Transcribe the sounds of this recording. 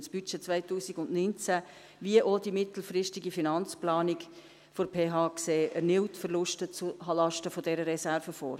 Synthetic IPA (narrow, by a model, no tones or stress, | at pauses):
sb̥yt͡ʃet͡sʋaɪtuːsiɡʊndnynt͡sæ | ʋiəʔodimɪt̪l̩fɾɪʃtiɡifinɑnt͡splɑːnik | foɾpʰeːɦɑːkseːʔənɪwtfərlʊʃtət͡suɦɑlɑʃtəfodɛɾəɾɛsæɾfəfo̰ːɾ